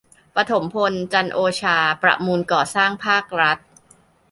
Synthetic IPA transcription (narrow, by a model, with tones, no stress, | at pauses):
pa˧t̪ʰo˩˦mpʰo˧nt͡ɕa˧nʔoː˧t͡ɕʰaː˧pɾa̰˨˩ʔmuː˧nkɔː˨˩saː˥˩ŋpʰaː˥˩k̚ɾa˦˥t̪̚